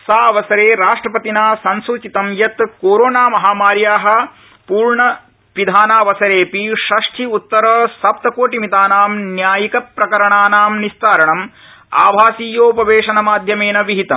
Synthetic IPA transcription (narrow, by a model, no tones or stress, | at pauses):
saːɐʋɐsɐɾeːɾaːʂʈɾɐpɐt̪inaːsɐnsut͡ʃit̪ɐmjɐt̪koːɾoːnaːmɐɦaːmaːɾjaːɦɐ̆ | puːɾɳɐ | ʋid̪ʱaːnaːʋɐsɐɾeːpiʃɐʂʈʰiut̪ːɐɾɐːsɐp̚t̪ɐkoːʈimit̪aːnaːmnjaːjikɐpːɾɐkɐɾɐɳaːnaːmnist̪aːɾɐɳɐm | a̰ːbʱaːsiːjoːpɐʋeːʂɐnɐmaːd̪ʱjɐmeːnɐʋiɦit̪ɐm